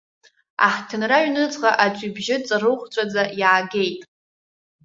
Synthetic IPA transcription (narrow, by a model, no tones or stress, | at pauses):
a̰ħtʰɨnraɥnɨt͡sʼʁaʔat͡ʃʷʼibʒɪt͡sʼarɨχʷt͡ɕʷʰʼad͡zajaːɡe̞jtʼ